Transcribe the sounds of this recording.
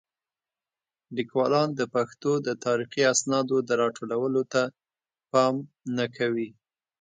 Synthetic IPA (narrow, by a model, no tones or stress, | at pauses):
likwɑlɑnd̪əpaxt̪od̪ət̪ɑɾixiasnɑd̪od̪əɾɑʈʰolawəlot̪a | pɑm | nakʰawi